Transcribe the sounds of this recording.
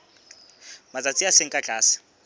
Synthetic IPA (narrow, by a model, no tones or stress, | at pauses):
mat͡sʼat͡sʼiaseŋ̩kʼat͡ɬʼaːsḁ